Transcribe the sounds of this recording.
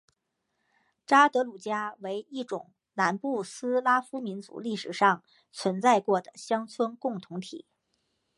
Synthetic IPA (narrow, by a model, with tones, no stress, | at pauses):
ʈ͡ʂa˥t̪ɤ˧˥lu˨˩t͡ɕja˥we˧˥ɪi˥˩ʈ͡ʂʊ̰˨˩˦ŋ | na˧˥npu˥˩sɹ̩˥la˥fu˥mi˧˥nt͡sṵ˧˥li˥˩ʂɻ̩˨˩ʂɑ˥˩ŋ | t͡sʰwə˧˥nt͡sa˥˧ɪkwɔ˥˩d̪ə˩ɕjɑ˥ŋt͡sʰwə˥nkʊ˥˩ŋt̪ʰʊ˧˥ŋt̪ʰḭ˨˩˦